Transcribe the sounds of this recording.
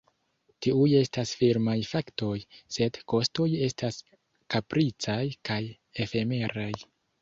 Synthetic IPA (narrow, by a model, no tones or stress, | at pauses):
tiuje̞stasfiɾmajfakto̞jse̞dko̞sto̞je̞stas | kapɾʔit͡sajkaj | e̞fe̞me̞ɾaj